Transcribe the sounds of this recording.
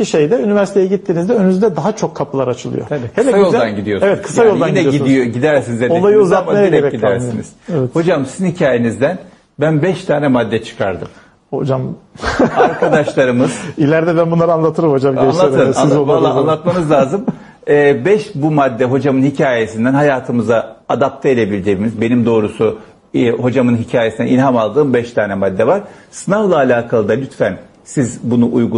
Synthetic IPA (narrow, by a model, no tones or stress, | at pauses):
iʃe̞jd̪ɛynivæɾsi̥t̪ejɛɟit̪ʰːiːnizd̪ɛønynyzd̪ɛd̪aɦat͡ʃʰo̞kʰːapʰɯlˠaɾat͡ʃʰɯlˠɯ̰jo̰aikhelɛsajoolˠd̪anɟid̪ijosevɛt̪kʰɯ̥sajolˠj̪ainɛjoɟid̪ijoɟid̪æɾsinizedoɛlˠajɯuzammejɛɟɾɛeɾɛɟid̪æɾsinḭz̥ɛvɛho̞d͡ʒamsizhicʰaːjenizd̪æn | bænbɛʃt̪ʰaːnɛmad̪ːɛt͡ʃʰɯ̥kʰa̰ɾd̪ɯm | ho̞̰d͡ʒam | aɾkʰad̪aʃlˠaɾɯmɯz̥ilʲæɾd̪ɛbænbunlˠaɾɯanlˠat̪ʰɯɾɯmhod͡ʒamelˠaɯsanizovalːˠaanˠat̪̚manɯzlʲˠaːzɯm | ɛːbɛʃbumad̪ːɛɦo̞d͡ʒamɯnhicʰaːje̞sind̪ænɦajaːt̪ʰɯmɯzaad̪ap̚t̪ʰeelʲebilʲd̪imizbe̞nimd̪o̞ːɾusu | ho̞d͡ʒamɯnɦicʰaːjesind̪ɛ̰nilʲɦamalˠd̪ɯːmbɛʃt̪ʰaːnɛmad̪ːɛvaɾ̥sɯnavlˠaːlʲaːkʰalˠɯd̪alʲyt̪fæn | sizbunuʔujɡu